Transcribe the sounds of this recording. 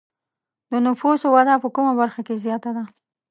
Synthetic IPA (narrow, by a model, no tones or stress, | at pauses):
d̪ənʊfusowɑd̪apəkumabaɾxakezjɑt̪ad̪a